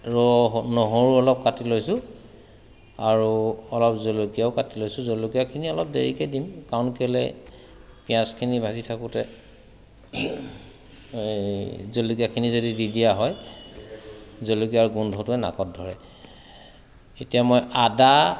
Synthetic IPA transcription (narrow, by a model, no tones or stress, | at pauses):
ɹɔɦnɔɦoɹuɔlɔp̚katilojsʊ̃ | aɹuɔlɔpzolokijaʊkatilojsʊ̃zolokijakʰiniɔlɔp̚deɹikɛdimkawnkɛlɛ̰ | pijãskʰinibʱazitʰakʊtɛ | zolokiakʰinizodididiaɦɔj | zolokiaɹɡundʱɔtʊɛna̰kɔt̚dʱɔɹɛ | etijamɔjada